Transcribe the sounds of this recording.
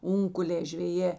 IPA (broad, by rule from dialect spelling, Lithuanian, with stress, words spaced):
ˈʊŋkʊlʲeː ʒʲʋʲɛˈjeː